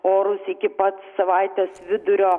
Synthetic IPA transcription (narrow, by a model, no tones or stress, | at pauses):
oːɾʊsɪkʲɪpɐt̪sːɐʋɐɪt̪ʲeːsʋʲɪd̪ʊɾʲoː